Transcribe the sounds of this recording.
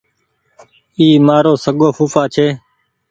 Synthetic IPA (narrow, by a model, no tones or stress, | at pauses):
iːmaːɾoːsəɠoːfuːfaːt͡ʃʰeː